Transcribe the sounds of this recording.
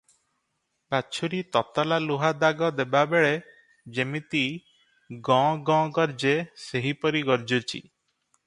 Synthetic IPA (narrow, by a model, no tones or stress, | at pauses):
baːt͡ʃʰuɾit̪ɔt̪ɔlaluɦad̪aɡɔd̪ebabeɭe | d͡ʒemit̪i | ɡɔ̃ɡɔ̃ɡɔɾd͡ʒeseɦipɔɾiɡɔɾd͡ʒot͡ʃʰḭ